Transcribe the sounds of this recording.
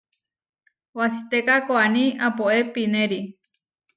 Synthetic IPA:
wasit̪ekakoanĩapoʔepinẽɾi

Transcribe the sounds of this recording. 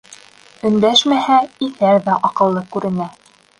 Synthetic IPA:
ɵ̆nd̪æʃmæhæiθæɾðæʔɑqɤ̆lˠːɤkʉɾɘ̆næ

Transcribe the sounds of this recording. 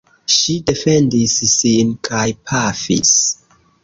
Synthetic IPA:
ʃide̞fe̞ndisːinkʰajpʰafḭs

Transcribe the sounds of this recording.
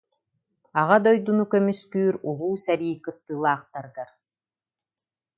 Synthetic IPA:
aʁad̪ɔjd̪unukœmyskyːɾulˠuːsɛɾiːkɯt̪ːɯːlˠaːχt̪aɾɡaɾ

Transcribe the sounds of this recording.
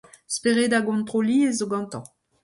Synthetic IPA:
speʁed̪aɡɔ̃nt̪χoliezoɡɑ̃nt̪ɑ̰̃

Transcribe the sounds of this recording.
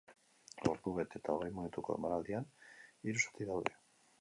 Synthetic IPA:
o̰ɾðuβet̪e̞t̪ao̞ɣ̞ejminut̪uko̞ḛmaɾald̪ianiɾusḁt̪iðawðe̞

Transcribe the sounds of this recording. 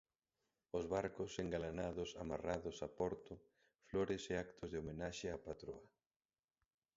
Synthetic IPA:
ʊzβaɾkʊseŋɡalanaðʊsamaraðʊsapɔɾt̪ʊ | floɾɪseakt̪ʰʊzðɪomenaʃeapat̪ɾoa

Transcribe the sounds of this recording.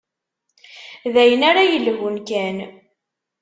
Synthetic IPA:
ðæjənaɾajəlɦʊnkæn

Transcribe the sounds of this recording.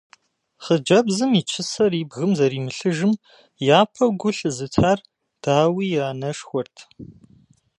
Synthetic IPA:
χəd͡ʒɐbzɨmit͡ʃʰɨsɐriːbɣɨmzɐɾiːmɨɬɨʒɨm | jaːpʰɐɡʷʊɬɨzɨtʰaːr | d̥aːwiːjaːnɐʂxʷɔrtʰ

